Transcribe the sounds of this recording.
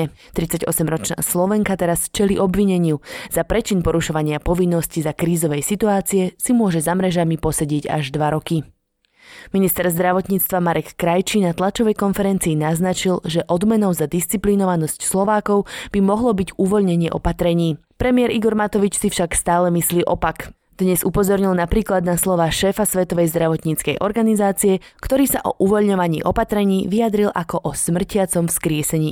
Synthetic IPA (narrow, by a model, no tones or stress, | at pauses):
t̪ɾit͡saɟɔsɛmɾɔt͡ʃna̰ːslɔʋɛŋkat̪ɛɾast͡ʃɛliʔɔbʋiɲɛɲɪuz̥apɾɛt͡ʃinpɔɾuʃɔʋaɲɪapɔʋinːɔscizakɾiːzɔʋɛjsit̪uaːt͡siɛsimʊɔʒɛzamɾɛʒamipɔsaɟɪɛɟa̰ʒd̪ʋaɾɔki | minist̪ɛɾzd̪ɾaʋɔt̪ɲiːt͡st̪ʋamaɾʔɛkːɾajt͡ʃinat̪lat͡ʃɔʋɛjkɔnfɛɾɛnt͡siːnaznat͡ʃilʒɛʔɔd̪mɛnɔʊzad̪ist͡siplinɔʋanɔscslɔʋaːkɔʊb̥imɔɦlɔbiɟuʋɔʎɲɛɲɪɛʔɔ̰pat̪ɾɛɲiː | pɾɛmiɪɛɾiɡɔɾmat̪ɔʋit͡ʃsifʃakst̪aːlɛmisliːʔɔpak | d̪̥ɲɛzupɔzɔɾɲilnapɾiːklad̪naslɔʋaːʃɛːfasʋɛt̪ɔʋɛjzd̪ɾaʋɔt̪ɲiːt͡skɛ̰jʔɔ̰ɾɡanizaːt͡siɛkt̪ɔɾiːsaʔɔ̰ʔuʋɔʎɲɔʋaɲḭːʔɔpat̪ɾɛɲiːʋiad̪ɾilʔakɔʔɔsmr̩cɪat͡sɔmfskɾɪɛsɛɲiː